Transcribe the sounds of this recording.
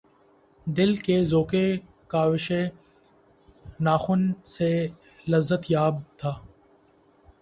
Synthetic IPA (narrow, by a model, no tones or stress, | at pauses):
d̪ɪlkezoːke | kaːʋɪʃe | naːxʊnse | lɐzət̪jaːb̚t̪ʰaː